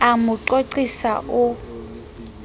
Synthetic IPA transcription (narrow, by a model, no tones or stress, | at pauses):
amʊǃoǀisaʔʊ